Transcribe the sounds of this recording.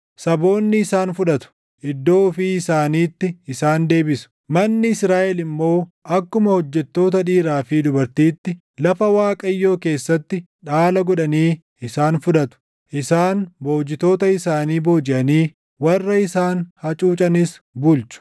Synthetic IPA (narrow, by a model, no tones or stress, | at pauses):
sɐbo̞ːnːɪːsaːnfʊᶑɐt̪ʊ̥ | ʔɪd̪ːoːfiɪsaːniːt̪ːɪɪsaːnd̪e̞ːbɪsʊ̥ | mɐnːɪɪsɾaːʔɛlɪmːo̞ːʔɐkːʊmɐhɔd͡ʒːɛt̪ːo̞ːt̪ɐᶑiːɾaːfid̪ʊbɐɾt̪iːt̪ːɪ | lɐfɐwaːkʼɐjːo̞ːke̞ːsːɐt̪ːɪ | ᶑaːlɐɡɔᶑɐniː | ɪsaːnfʊᶑɐt̪ʊ̥ | ʔɪsaːnbo̞ːd͡ʒɪt̪o̞ːt̪ɐɪsaːniːbo̞ːd͡ʒɪʔɐniː | wɐrːɐɪsaːnhɐt͡ʃʼuːt͡ʃʼɐnɪsbʊlt͡ʃʊ̥